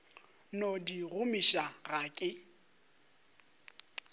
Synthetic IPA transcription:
nodiɣʊmiʃaɣaːkʼɪ

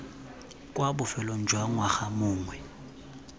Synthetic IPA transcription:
kʼwabʊfɛlɔn̩d͡ʒʱwaŋwaxamʊːŋwɛ

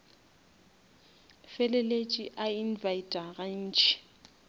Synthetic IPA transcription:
fɛlɛlet͡ʃʼiʔainvaitʼaɣan̩ːt͡ʃʰʼi̥

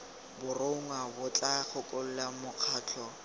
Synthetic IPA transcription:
bʊroŋwabʊt͡ɬʼaχʊkʼol̩lamʊq͡χʰaːt͡ɬʰɔ

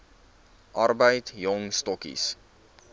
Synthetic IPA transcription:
ʔɐrbəjtjɔŋstɔkḭs

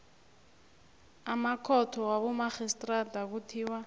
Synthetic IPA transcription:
amakʰɔtʰɔwaβumaxistʼradak̬utʰiːwa

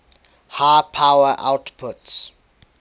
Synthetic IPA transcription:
haːpʰawəʔa̰wtpʰʊts

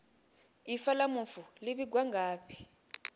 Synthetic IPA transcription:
ifalamufuliɓiɡ̬waŋɡaːpʰi̥

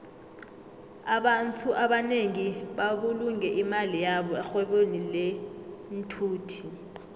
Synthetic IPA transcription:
aɓantʰuʔaɓaneŋiɓaɓuluŋɛʔimalijaɓɔɛxwɛɓonilɛm̩tʰuːtʰi

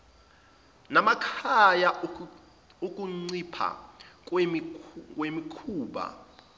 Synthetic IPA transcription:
namakʰaja | ukʼuŋ͡ǀipʰa̰ | wemikʰuːɓa̰

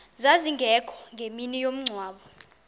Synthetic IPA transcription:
zaziŋɡʱɛkʰɔ̥ŋɡʱeminijom̩ŋ͡ǀʱwaːɓɔ

